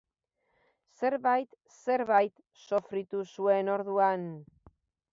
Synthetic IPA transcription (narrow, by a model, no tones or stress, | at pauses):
se̞ɾβajt̪ | se̞ɾβajt̪ | so̞fɾit̪usue̞no̞ɾðuan